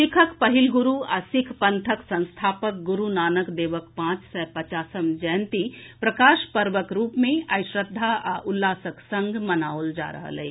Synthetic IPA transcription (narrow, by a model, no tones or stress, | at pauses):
sɪkʰəkpɐɦɪlɡʊɾua̰sɪkʰpɐ̃nt̪ʰəksə̃nst̪ʰaːpək̚ɡʊɾunaːnəkd̪eːʋəkpãːt͡ʃsɛpət͡ʃaːsəmd͡ʒɛːnt̪ipɾəkaːʃpəɾʋəkɾuːpmẽaɪʃɾəd̪ʱːaʔaʔʊlːaːsəksə̃ŋɡʱmɐnaːold͡ʒa̰ːɾə̰ɦə̰lɛ̰ː